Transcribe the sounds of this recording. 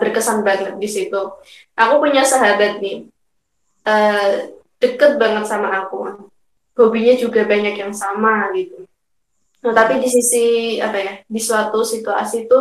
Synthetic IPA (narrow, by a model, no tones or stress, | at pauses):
bərkəsanbaŋət̪̚disit̪u | ʔakupuɲasaɦabat̪̚nɪh | ʔəː | d̥əkət̪̚baŋət̪̚samaːku | b̥obiɲad͡ʒuɡabaɲakjaŋsamaɡit̪u | nət̪apidisisia̰pajadisuat̪usit̪ua̰sit̪u